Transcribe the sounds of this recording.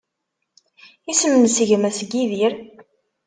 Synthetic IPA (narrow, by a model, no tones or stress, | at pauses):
isəmənsəʝmæsɡiðiɾ